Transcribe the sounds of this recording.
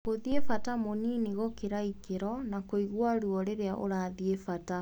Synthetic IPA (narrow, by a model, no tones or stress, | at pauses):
koðiefatamoniniɣɔkeɾaikeɾɔnakoiɣwaɾuɔɾeɾeaʔo̰ɾaðiefata